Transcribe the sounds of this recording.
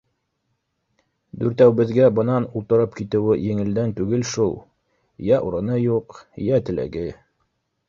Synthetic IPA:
d̪ʉɾt̪æwbɘ̆ðɡæbɤ̆nɑnulˠt̪ɤ̆ɾɤpkit̪ɘ̆wɘjɘ̆ŋɘ̆ld̪ænt̪ʉɡɘlʃulˠ | jæʔuɾɤ̆nɤjuqjæt̪ɘ̆læ̰ɡɘ

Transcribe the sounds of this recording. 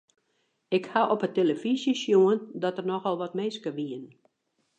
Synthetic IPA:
ɪkhaʔɔpəteləfisjəsjuəndɔtərnɔxɔlˠʋɔtmeːskəʋiən

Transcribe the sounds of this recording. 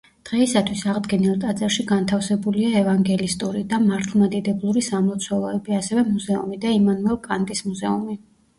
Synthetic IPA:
d̪̥ʁɛisat̪ʰwisaʁd̪ɡɛnilˠt̪ʼat̪zʼɛɾʃiɡant̪ʰafsɛbuliaɛvaŋɡɛlist̪ʼuɾid̪amaɾt̪ʰlˠmad̪id̪ɛblˠuɾisamlˠɔt̪sʰwɛlˠɔɛbiasɛvɛmuzɛṵmid̪aimanuɛlˠkʼant̪ʼismuzɛumi

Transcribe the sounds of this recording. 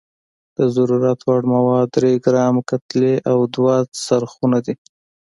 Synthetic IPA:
d̪̥əzaɾuɾat̪waɽmawɑd̪ːɾeɡɾɑmkat̪leʔawd̪wasaɾxunad̪i

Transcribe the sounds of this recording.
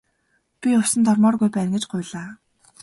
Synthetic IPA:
pʲiʊsə̆nt̪ɔrmɔːrɣujpæːnɡĕt͡ɕɢʊːɮaː

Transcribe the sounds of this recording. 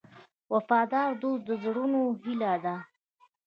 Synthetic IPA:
wafɑd̪ɑːɾd̪osd̪əzɽunoɦilad̪a

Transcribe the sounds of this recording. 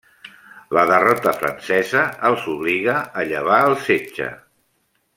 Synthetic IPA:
ləðərɔt̪əfɾə̰nsɛzəːlˠzuβliɣəːʎəβ̞aəlˠsed͡ʒə̰

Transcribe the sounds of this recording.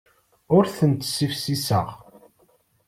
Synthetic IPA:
ʊɾθənt̪sːifsisə̰ʁ

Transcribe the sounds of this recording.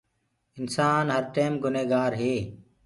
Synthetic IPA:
ɪnsaːnɦəɾʈeːmɡʊneːɡaːɾɦeː

